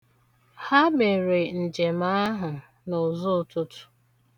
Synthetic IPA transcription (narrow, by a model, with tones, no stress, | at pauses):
ha˦me˨ɾe˨n̩˨d͡ʒe˨ma˦a˦ɦʊ˨ | nɔ˨zʊ˦˨tʊ˦tʊ̥˦